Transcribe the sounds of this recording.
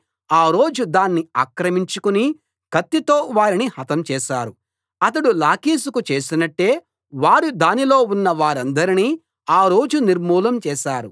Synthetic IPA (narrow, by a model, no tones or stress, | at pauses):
aːɾo̞ːd͡ʒud̪aːnːiaːkɾɐmiɲt͡ʃukuni | kɐt̪ːit̪oːʋaːɾinihɐt̪ɐmt͡ʃɛːʃaːɾu | ɐt̪̬ɐɽulaːkiːs̬ukut͡ʃe̞ːsinɐʈːe̞ː | ʋaːɾud̪aːnilo̞ːunːɐʋaːɾɐnd̪ɐɾiniː | aːɾo̞ːd͡ʒuniɾmuːlɐmt͡ʃɛːʃaːɾu